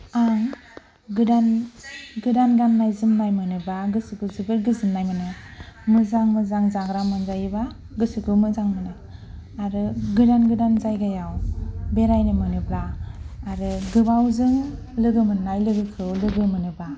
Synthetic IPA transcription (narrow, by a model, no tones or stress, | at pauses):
aŋ | ɡɯdanɡɯdanɡanːajzɯmnajmɯnɯbaɡɯsɯkʰɯzɯbɯɾɡɯzɯmnajmɯnɯmɯzaŋmɯzaŋzaɡɾamɯnzajba | ɡɯsukɯmɯzaŋmɯnɯ | aɾɯɡɯdanɡɯdanzajɡajawbeɾajnɯmɯnɯblaː | ɾɯɡɯbawzɯŋ | lɯɡɯmɯnnajlɯɡɯkʰɯwlɯɡɯmɯnɯba